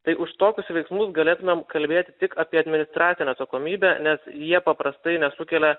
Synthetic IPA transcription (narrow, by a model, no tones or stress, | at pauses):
t̪ɐɪʔʊʃt̪oːkʲʊsʋʲɛɪksmʊsɡɐlʲeːt̪ʊmʲemkɐlʲbʲeːt̪ʲɪt̪ʲɪkɑːpʲiɛɐd̪ʲmʲɪnʲɪst̪ɾɑːt̪ʲɪnʲɛːɐt̪sɐkoːmʲiːbʲænʲɛsjiɛpɐpɾɐst̪ɐɪnʲɛsʊkʲɛlʲɛ